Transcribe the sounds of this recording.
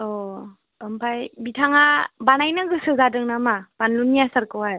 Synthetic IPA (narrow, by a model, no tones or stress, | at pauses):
ɔ | əmpʰajbitʰaŋabanajnaɡɯsɯzadɯŋnamab̥anlunːijasaɾkɯwaj